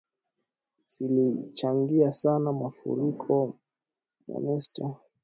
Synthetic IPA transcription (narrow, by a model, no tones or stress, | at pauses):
silit͡ʃaŋɡiasanamafṵɾikʰɔ | ma̰nɛsta